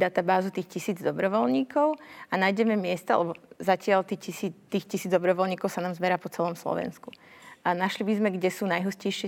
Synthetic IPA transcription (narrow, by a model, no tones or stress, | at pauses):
d̪at̪abaːzut̪iːxcisiːd͡zd̪ɔbɾɔʋɔlɲiːkɔʊanajɟɛmɛmɪɛst̪a̰lɛbɔzacɪalt̪icisiːt̪ːiːxcisiːd͡zd̪ɔbɾɔʋɔlɲiːkɔʊsanaːmzbɛɾaːpɔt͡sɛlɔmslɔ̰ʋɛ̰nskuanaʃlibizmɛɡɟɛsuːnajɦuscɛjʃɪɛ